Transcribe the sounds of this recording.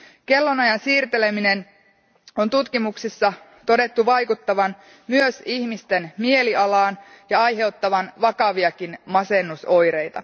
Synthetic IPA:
ke̞lːo̞nɑjɑnsiːrt̪e̞le̞mine̞n | o̞nt̪ut̪kimuksisːɑ | t̪o̞de̞t̪ːuʋɑjkut̪ːɑʋɑn | myøsiçmist̪e̞nmie̞liʔɑlɑːn | jɑɑjɦe̞uwt̪ːɑʋɑnʋɑkɑʋiɑkinmɑse̞nːuso̞jɾe̞jt̪ɑ

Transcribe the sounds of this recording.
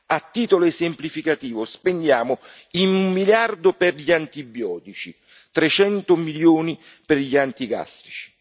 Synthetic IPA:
at̪ːiːt̪oloesɪmplifikat̪iːvʊspend̪jaːmʊ | inumːiljard̪ʊpɪrʎiant̪ibjɔːt̪it͡ʃi | t̪ɾet͡ʃɛnt̪ʊmiljoːni | pɪrʎiant̪iɡa̰st̪ɾit͡ʃi̥

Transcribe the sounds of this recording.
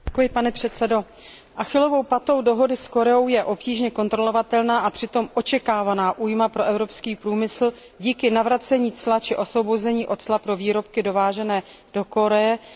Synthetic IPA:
ɛkojɪpanɛpr̝̥ɛt̪t͡sɛdo̞ | ʔaxɪlo̞vowpat̪o̞wdo̞ɦo̞dɪsko̞ɾɛo̞wjɛʔo̞pciːʒɲɛko̞nt̪ɾo̞lo̞vat̪ɛlnaːʔapr̥ɪt̪o̞mʔo̞t͡ʃɛkaːvanaːʔuːjmapɾo̞ʔɛvɾo̞pskiːpɾuːmɪsl̩ | ɟiːkɪnavɾat͡sɛɲiːt͡slat͡ʃɪʔo̞svo̞bozɛɲiːʔo̞t̪slapɾo̞viːɾo̞pkɪdo̞vaːʒɛnɛː | d̥o̞ko̞ɾɛjɛ

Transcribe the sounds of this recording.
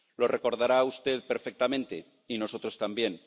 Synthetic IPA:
lo̞reko̞ɾðaɾaust̪e̞ðpe̞ɾfe̞k̚t̪amẽ̞nt̪e̞ | ino̞so̞t̪ɾo̞st̪ambje̞n

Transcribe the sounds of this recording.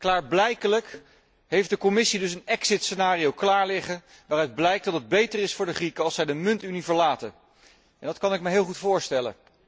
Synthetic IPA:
klaːɹblɛjkələk | ɦejfdəkomɪsidɵsənɛksɪtsənaːriowklaːɹlɪχə | ʋaːrœɥd̚blɛjk̚d̥ɑtəd̚bejtərɪsfʊːɹdəχrikəɑlˠsɛjdəmɵntynivəɹlaːtə̰n | ʔɛndɑtkɑnɪk̚məɦɪːlˠχutfʊːɹstɛlə̰

